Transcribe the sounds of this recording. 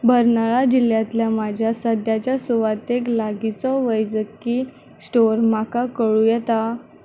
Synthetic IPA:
bəɾnaɭad͡ʑiljat̪ljamad͡ʑʱjasəd̪jat͡ɕjasuʋat̪eklaɡit͡sɔʋəjd͡zəkːi | sʈoɾmakakəɭujɛt̪a

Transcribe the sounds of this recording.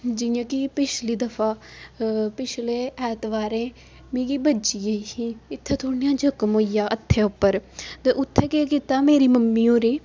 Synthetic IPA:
d͡ʒɪjãːkɪpɪt͡ʃliːd̪əfʰaː | pɪt͡ʃʰleːɛːt̪ʋaːɾẽː | mĩːkiːbət͡ʃiəiiːɪt̪ʰːẽːt̪ʰoːɳjãːd͡ʒəkmɦoːijaːʔət̪ʰːeːʊpːəɾt̪eʔʊt̪ʰːeːkeːkit̪aːmeːɾiːməmːiːõːɾeː

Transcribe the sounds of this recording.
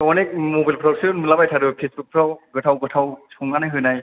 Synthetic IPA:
ɔnɛk̚mobajlpʰɹawsiɔnmɯlabajtʰaɾɯpʰesbuk̚pʰɹawɡɯtʰawɡɯtʰawsɔŋɡanajɦɯjnaj

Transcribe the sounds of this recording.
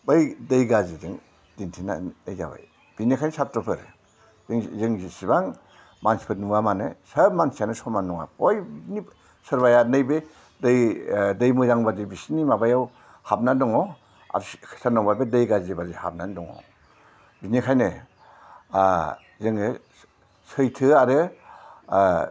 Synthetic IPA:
bɯjdejɡazidɯŋ | d̥intʰina̰ejza̰ba̰j | b̥inikʰajnsap̚tɾɔpʰɯɾ | ŋzɯŋzisibaŋ | mansi̥pʰɯtnuamanɯsəɾbmansianɯsɔmanːɔŋa̰pɔjbni | sɯɾbajanɯjbe | dɯjdɯjmɯzaŋbadibisnimabajaw | hap̚nandɔŋɔ | a̰ɾkʰsanɔŋbaɾbedɯjɡazibaɾzeha̰p̚nandɔŋɔ̰ | binikʰajnɯ | zɯŋɯ | sɯjtʰɯaɾɯ

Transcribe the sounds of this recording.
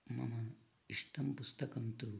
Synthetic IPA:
mɐ̰mɐ | iʂʈɐmpust̪ɐkɐmt̪u

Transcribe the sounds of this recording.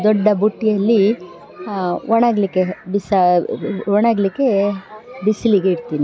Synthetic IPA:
d̪ɔɖːɐbuʈːijɐlːi | ɔɳaɡlikːebisɐ | ɔɳaɡlikːe | bisliɡeiɽt̪iːni

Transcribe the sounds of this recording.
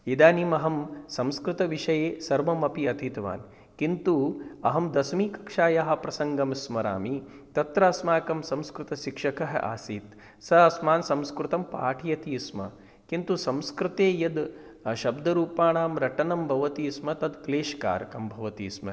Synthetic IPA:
id̪aːniːmɐɦɐmsɐmskɾɪt̪ɐʋiʂɐjeːsɐɾʋɐmɐpiɐt̪ʰit̪ʋa̰ːn | kint̪uɐɦɐmd̪ɐsmiːkɐ̥kʂaːjaɦɐ̆pɾɐsɐŋɡɐmsmɐɾa̰ːmi | t̪ɐt̪ɾaːsmaːkɐmsɐmskɾut̪ɐʃikʂɐkɐɦɐ̰ʔa̰ːsiːt̪ | sɐɐsmaːnsɐmskɾut̪ɐmpa̰ːʈʰijɐt̪iːsmɐ̰ | kint̪usɐmskɾɪt̪eːjɐd̪ | ʃɐbd̪ʱɐɾuːpaːɳaːmɾɐʈɐnɐmbʱɐʋɐt̪iːsmɐt̪ɐd̪kleːʃka̰ːɾkɐmbʱɐʋɐt̪ḭːsmɐ̰

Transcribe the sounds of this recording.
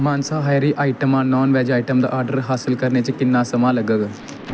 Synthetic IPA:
maːnsaːɦaːɾiːʔaːiʈəmãːnɔːnʋɛːd͡ʒaːiʈəmd̪a̰ʔaːɾɖəɾɦaːsɪlkəɾneːt͡ʃəkɪnːaːsəmãːləɡəɡ

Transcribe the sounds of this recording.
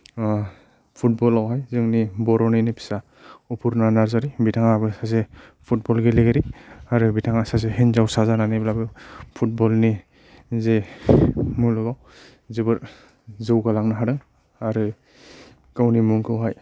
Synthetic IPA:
pʰut̚bɔlawɦajzɯŋnibɔɾɔnɯjnipʰi̥sa | upʰuɾnanaɾzaɾibitʰaŋabɯsazepʰut̚bɔlɡeleɡeɾiaɾɯbitʰaŋasazeɦenzawsazananiblabɯpʰut̚bɔlni | ze | mulɯɡaw | zɯbɯɾ | zɯwɡalaŋnaɦaɾɯŋ | aɾɯ | kawnimuŋkʰɯwɦaj

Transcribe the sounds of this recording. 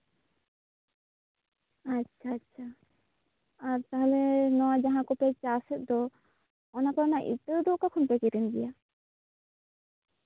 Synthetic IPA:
atːt͡ʃʰatːt͡ʃʰa | aɾt̪aɦɛlɛnɔwad͡ʒaɦãkɔpɛt͡ʃasɛt̪̚ˀd̪ɔ | ɔnakɔɾɔnaʔḭt̪əd̪ɔʔkakʰɔnpɛkɛɾinɡ̪ɛja

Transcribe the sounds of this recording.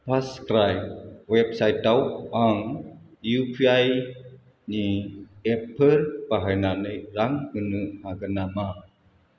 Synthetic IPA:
paskɾajp̚wɛp̚sajt̪awaŋ | jupiaj | niɛpərbaɦajnaneɾaŋkənuhakənama

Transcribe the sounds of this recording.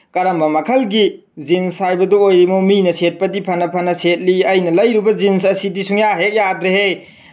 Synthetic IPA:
kɐɾɐmbɐmɐkʰɐlɡi | zinsajbɐduojɾimominɐset̚pɐdipʰɐnɐpʰɐnɐset̚liɐjnɐlɐjɾubɐzinsɐsidisuŋjaɦek̚jadɾehe

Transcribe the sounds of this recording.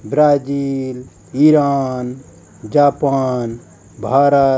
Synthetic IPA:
bɾaːd͡ʒil | iɾaːn | d͡ʒapaːn | bʱaːɾə

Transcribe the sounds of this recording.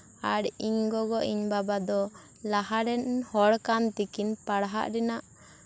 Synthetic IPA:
aɽiɲɡɔɡɔʔiɲbabad̪ɔ | lahaɾɛnhɔɽkant̪ikinpaɽɦa̰ʔɾɛnaʔ

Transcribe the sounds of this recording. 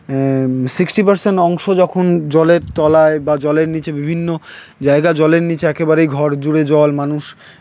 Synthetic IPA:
siksʈipaɾseɳʈɔŋʃod͡ʑɔkʰond͡ʑɔleɾt̪ɔlaebad͡ʑɔleɾnit͡ɕebibʱinːo | d͡ʑaeɡad͡ʑɔleɾnit͡ɕeɛkebaɾejɡʱɔɾd͡ʑuɽed͡ʑɔlmanuʃ

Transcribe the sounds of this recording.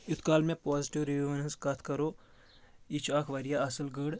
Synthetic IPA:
it̪ʰkaːlmẽpɔːziʈiʋɾiʋuʋnənskɐt̪ʰkɐɾoː | it͡ʃʰakʰʋɐɾijaɐsəlɡəɽ

